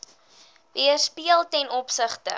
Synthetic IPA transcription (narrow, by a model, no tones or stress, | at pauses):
viərspiəlˠtɛnɔpsəχtə̰